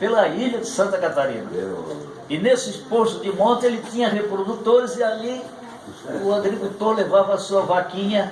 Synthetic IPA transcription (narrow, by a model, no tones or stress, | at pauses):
pelɐiʎɐd̪ɪsɐ̃nt̪ɐkat̪aɾḭ̃nɐ̰ | ɪnesɪispoɾsʊd̪ɪmõnt̪ɪelɪt̪ĩɲɐhepɾod̪ut̪oɾɪziali | ʊaɡɾikut̪oɾlevavɐːsuɐvakĩɲɐ